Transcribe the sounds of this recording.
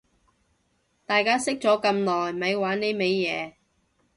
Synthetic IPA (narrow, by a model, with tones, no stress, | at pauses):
t̪aː˨jkaː˥sɪ˥k̚t͡sɔː˨˥kɐ˧mnɔː˨jmɐ˨˧jwaː˨˥nːe˨˥jme˨˧jːɛː˨˧